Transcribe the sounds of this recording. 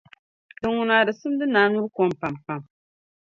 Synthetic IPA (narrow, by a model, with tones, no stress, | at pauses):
tɨ˨ŋːu˨naː˨dɨ˨sɨ˦m˦dɨ˦naː˨˦nu˦ɾkɔ˦m˨pa˨mpa˨m